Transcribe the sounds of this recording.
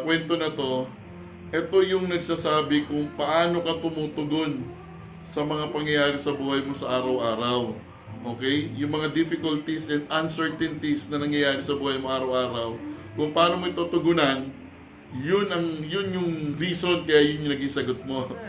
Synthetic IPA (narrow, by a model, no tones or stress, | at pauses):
kwɛnt̪o̞nɐt̪o̞ | ʔɛt̪o̞jʊŋnɐɡsasaːbɪkʊŋpɐʔaːno̞kɐt̪ʊmut̪ʊɡo̞n | sɐmɐŋapɐŋjɐjaːɾɪsɐbuːhɐjmo̞sɐʔaːɾɐwʔaːɾɐw | ʔo̞ːkɛjjʊŋmɐŋad̪ɪfɪkʊlt̪isɛnd̪ʔɐnsɛɹt̪ɛnt̪isnɐnɐŋjɐjaːɾɪsɐbuːhɐjmoʔaːɾɐwʔaːɾɐwkʊŋpɐʔaːnomoɪt̪ot̪ʊɡʊnɐn | jʊnɐŋjʊnjʊŋɾiːso̞nkɐjajʊnnɐɡiŋsɐɡot̪̚mo̞